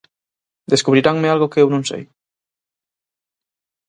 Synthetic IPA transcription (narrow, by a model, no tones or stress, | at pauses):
d̪eskuβɾiɾaŋmealɣokeewnõŋsḛj